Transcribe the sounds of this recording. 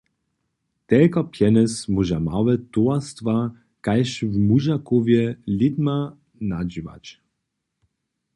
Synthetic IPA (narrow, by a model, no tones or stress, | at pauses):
t̪ɛlkapjɛnɛsmuʒama̰wɛt̪oast̪va | kajʃvmuʒakovjɛlid̪ma | nad͡ʑiva̰t͡ɕ